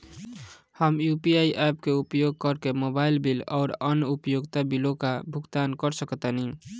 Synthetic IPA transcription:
həmjupiaiʔɛpkeupjoɡ̚kəɾkemobailbilɔːɾənupjoɡt̪abilokabʱuɡt̪ankəɾsəkt̪anĩ

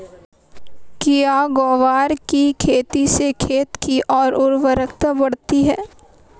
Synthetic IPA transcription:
kijaɡoːʋaːɾkikʰeːt̪isekʰeːt̪kiʔɔːɾʊɾʋəɾəkt̪əbɐɽt̪iɦɛː

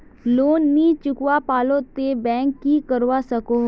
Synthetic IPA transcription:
loːnːiːt͡ʃʊkwapaːlot̪ebɛ̃ːŋkːikəɾʋasəkoː

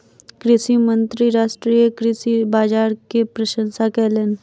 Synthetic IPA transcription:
kɾɪsimə̃nt̪ɾiɾaːʃʈɾijəkɾɪsibaːd͡ʒaːɾkepɾɐʃə̃nsakɛːlen

